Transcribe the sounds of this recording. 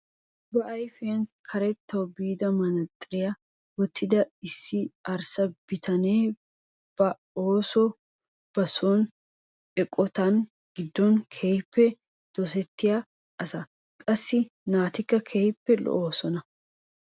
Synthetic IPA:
bɐʔɐjfɪjɐnkʰɐɾɛt̪ːɐwbiːd̪ɐmɐnɐt̪ʼːɪɾɪjɐ | mɔt̪ʰːɪd̪ɐɪsːɪɐɾsɐb̥ɪt̪ʰɐneː | b̥ɐ | oːsɔ | b̥ɐson | ɛkʼːɔt̪ɐn | ɡ̥ɪd̪ːɔnkʰeːjpːɛ | d̪̥ɔs̬ɛt̪ːɪja | ʔɐsɐ | kʼɐsːɪnaːt̪ɪkːɐkʰejpːɛlɔ̰ʔoːsɔnɐ

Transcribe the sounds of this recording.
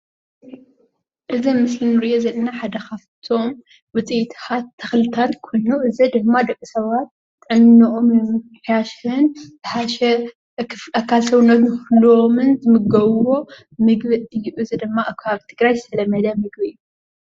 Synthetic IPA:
ʔɨzimɨslinɨɾiʔozɐlɐnaħad̪ɐkaβt̪ʰo̞m | wɨt͡sʼit̪ʰxat̪ʰːɐxlɨt̪ʰat̪kʰonuʔɨzid̪ɨmːad̪ɐkʼːɨsɐβat̪ː | ɨʕɨnːɨʔommħjaʃhɨnb̥ɨħaʃɐ | akʰːalsɐβnːɐt̪nɨxlomɨnzɨmɨɡɐβwo̞ | mɨɡbɐɨjːuʔɨzid̪ɨmːakʰaβt̪ʰɨɡɾajsʰɐlɐmɐd̪ɐmɨɡβɨɨju

